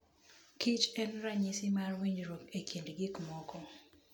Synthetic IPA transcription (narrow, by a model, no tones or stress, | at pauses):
kit͡ʃɛnɾaɲisɪmarwiɲd͡ʒɾokekjindɡɪkmɔkɔ